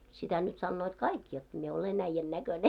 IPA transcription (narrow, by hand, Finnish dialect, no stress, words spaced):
sitæ nyt sɑnːoːt kɑik jot mie olen æĭjːæn nækøne